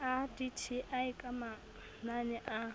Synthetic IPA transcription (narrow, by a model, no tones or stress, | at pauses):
aditʰiʔaɪkʼama | nanɛʔa